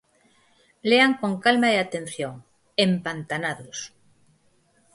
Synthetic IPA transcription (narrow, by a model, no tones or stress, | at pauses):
leaŋkoŋkalmaeat̪ẽn̟θjoŋ | empant̪anaðos